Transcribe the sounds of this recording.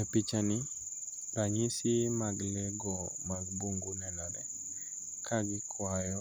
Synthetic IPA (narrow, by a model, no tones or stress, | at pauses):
ɛpit͡ʃani | ɾaɲisimaɡlɛɡɔ | maɡbuŋɡunɛnalɛ | kʰaɡikʰwajɔ